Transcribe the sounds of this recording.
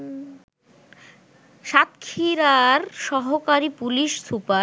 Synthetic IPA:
ʃat̪kʰiɾaɾʃɔɦokaɾipuliʃsupa

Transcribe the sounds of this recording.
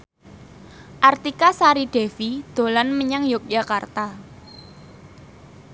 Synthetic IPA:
ʔart̪ikasaɾiɖ̥efid̪̥o̤lanməɲaŋjʊk̚d͡ʒ̥a̤kart̪a

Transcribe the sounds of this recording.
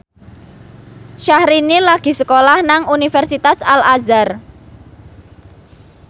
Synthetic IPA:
ʃahɾinilaɡ̥i̤səkolahnaŋunifɛrsit̪asalazar

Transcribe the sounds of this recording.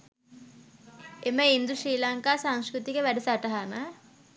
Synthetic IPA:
eməind̪usɾiːlaŋkaːsaŋskɾut̪ikəʋæɖusaʈɐɦana

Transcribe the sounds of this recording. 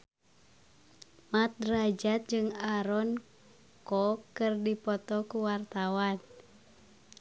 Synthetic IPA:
mat̪̚rad͡ʒat̪̚d͡ʒɨŋaɾɔn | kɔkɨrdipɔt̪ɔkuwart̪awan

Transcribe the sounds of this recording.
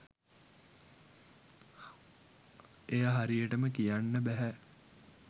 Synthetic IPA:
ejaɦaɾijəʈəməkijanːəbæɦæ

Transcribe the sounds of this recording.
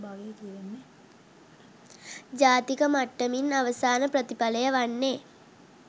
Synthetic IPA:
baɡejt̪iʋenːe | d͡ʒaːt̪ikəmaʈːəminaʋəsaːnəpɾət̪ipaləjəʋanːe

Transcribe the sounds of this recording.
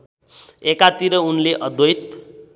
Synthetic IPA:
ekat̪iɾʌunleʔʌd̪ojt̪

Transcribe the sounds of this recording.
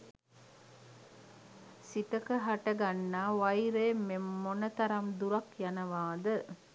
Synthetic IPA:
sit̪əkəɦaʈɐɡanːaːʋɐjɾeːmːemːonɐt̪ɐɾɐmd̪uɾɐkjanɐʋaːd̪ə

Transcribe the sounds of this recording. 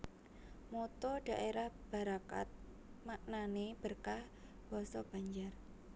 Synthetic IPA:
mot̪ɔɖ̥a̤ʔeɾahb̥a̤ɾaka̰t̪̚ | maʔnaneb̥ərkah | b̥ɔ̤sɔb̥a̤ɲd͡ʒar

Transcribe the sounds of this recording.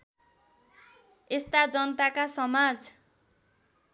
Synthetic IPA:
est̪ad͡zʌnʌt̪akasʌmad͡z

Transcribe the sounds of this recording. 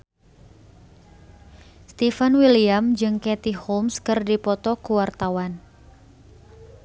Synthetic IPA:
st̪ifanwiliamd͡ʒɨŋkɛt̪ihomskɨrdipɔt̪ɔkuwart̪awan

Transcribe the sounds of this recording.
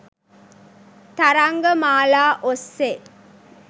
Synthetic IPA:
t̪aɾaŋɡəmaːlaːʔosːe

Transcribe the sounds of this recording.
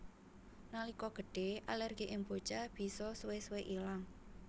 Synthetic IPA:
nalikɔɡ̥ə̤ɖ̥e̤alɛrɡ̥iʔɪŋbo̤t͡ʃab̥i̤sɔsuwesuweʔilaŋ

